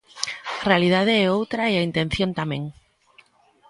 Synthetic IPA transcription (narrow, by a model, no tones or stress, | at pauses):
arealið̞að̞eɛowt̪ɾaɛaint̪en̟θjont̪amẽŋ